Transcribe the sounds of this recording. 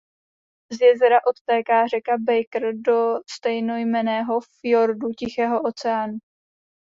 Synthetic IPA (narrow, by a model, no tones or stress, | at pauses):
zjɛzɛɾaʔo̞t̪t̪ɛːkaːr̝ɛkabɛjkr̩do̞st̪ɛjno̞jmɛnɛːɦo̞fɪjoɾducɪxɛːɦo̞ʔo̞t͡sɛaːnu